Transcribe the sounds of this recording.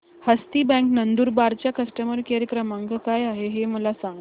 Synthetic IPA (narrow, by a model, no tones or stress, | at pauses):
həst̪iːbɛ̃ŋknənd̪uːɾbaɾt͡ɕjakəsʈəməɾkaɾjəkɾəmãŋɡkajaɦeɦeməlasãŋɡ